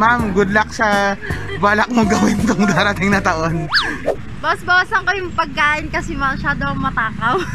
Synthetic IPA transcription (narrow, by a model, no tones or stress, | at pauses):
mamɡʊd̪lɐk̚sɐbaːlɐk̚moɡɐwɪnt̪oŋd̪aːɾɐt̪ɪŋnɐt̪ɐʔo̞n | bɐwɐsbɐwasɐŋkojʊŋpɐɡ̚kaːʔɪnkɐsɛmɐʃaːd̪oɐŋmɐt̪aːkɐw